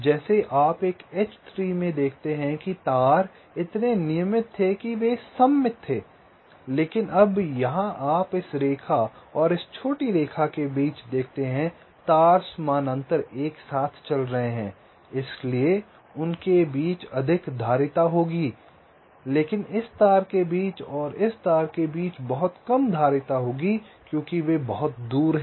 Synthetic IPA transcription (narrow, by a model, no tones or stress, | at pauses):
d͡ʒɛːseʔaːpeːket͡ʃt̪ʰɾiːmẽd̪eːkʰt̪eɦɛ̃kit̪aːɾ | ɪt̪nenɪjəmɪt̪ʰːekiʋesɐmːɪt̪ʰːeː | leːkɪnɐbjɐɦãʔaːpɪsɾeːkʰaɔːɾɪst͡ʃʰoːʈiɾeːkʰakebiːt͡ʃd̪eːkʰt̪eɦɛ̃ | t̪aːɾsmaːnə̃nt̪əɾeːksaːt̪ʰt͡ʃɐlɾɐɦeɦɛ̃ː | ɪslie | ʊnkebiːt͡ʃɐd̪ʱɪkd̪ʱaːɾɪt̪aɦoːɡi | leːkɪnɪst̪aːɾkebiːt͡ʃɔːɾɪst̪aːɾkebiːt͡ʃbɐɦʊt̪kɐmd̪ʱaːɾɪt̪aɦoːɡikjõːkiʋebɐɦʊt̪̚d̪uːɾɦɛ